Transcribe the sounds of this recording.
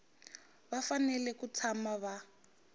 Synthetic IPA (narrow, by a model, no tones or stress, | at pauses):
βafanɛlɛkut͡sʰamaβa